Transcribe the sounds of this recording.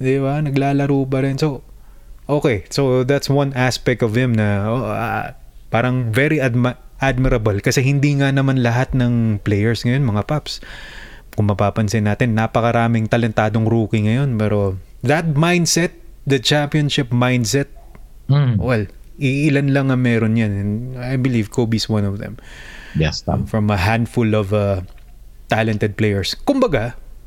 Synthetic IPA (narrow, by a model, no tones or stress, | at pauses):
d̪ɪbanɐɡlaːlɐɾuːpɐɾɪnso | ʔoːkɛsoðat̪swɐnaspɛk̚t̪ɔvhɪmnɐoʔ | paːɾɐŋvɛɾiʔdmʔad̪̚mɪɾɐbɐlkɐsɛɦɪnd̪iːŋɐnɐmanlɐɦat̪̚nɐŋplɛjɛɹsŋɐjo̞nmɐŋapaps | kʊŋmɐpaːpɐnsɪnːaːt̪ɪnːapɐkɐɾaːmɪŋt̪ɐlɛnt̪aːd̪oŋɾuːkiŋɐjo̞npɛːɾo̞ðɐt̪̚majnd̪sɛt̪̚d̪ɐt͡ʃampionʃɪpmajnd̪sɛt̪̚ | wɛlɪɪlanlɐŋɐmɛːɾonjanɛnajbɪlivkʰobiswɐ̃nɔvðɛ̰mjɛsfɹɐmɐɦãnd̪fulɔvɐ | t̪alɛnt̪ɛd̪̚plejɛɹskʊmbɐɡa